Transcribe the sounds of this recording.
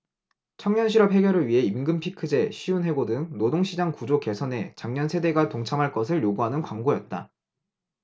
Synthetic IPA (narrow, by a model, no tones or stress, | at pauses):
t͡ɕʰʌŋɲʌnɕʰiɾʌp̚he̞ɡjʌɾɯɭɥiɦe̞imɡɯmpʰikʰɯd͡ʑe̞ɕʰiunɦe̞ɡodɯŋnodoŋɕʰid͡ʑaŋkud͡ʑoke̞sʰʌne̞t͡ɕaŋɲʌnsʰe̞de̞ɡatoŋt͡ɕʰamɦaɭk͈ʌs̬ʰɯɭjoɡuɦanɯnkwaŋɡojʌt̚t͈a̰